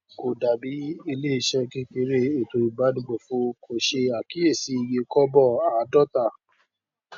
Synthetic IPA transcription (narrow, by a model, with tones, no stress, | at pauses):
ko˨da˨bi˨˦i˧le˦i˧ʃɛ˧ki˦ke˧˦ɾe˦˨e˨to˨˧i˧˨ba˨˦di˦ɡ͡bo˨fo˦ko˨ʃe˧a˨ki˨˦e˦˨si˨˦i˨je˧kɔ˦bɔ˦˨a˨a˨˦dɔ˦˨ta˦˧˨